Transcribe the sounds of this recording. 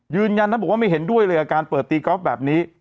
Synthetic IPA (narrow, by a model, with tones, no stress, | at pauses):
jɯː˧nja˧nʰa˥˩bwa˥˩ma˥˩jɦe˩˦ndu˥˩əjlɤː˧jʔaː˧kaː˧npɤː˨˩t̪̚ːiː˧kɔ˦˥p̚bɛː˨˩p̚niː˦˥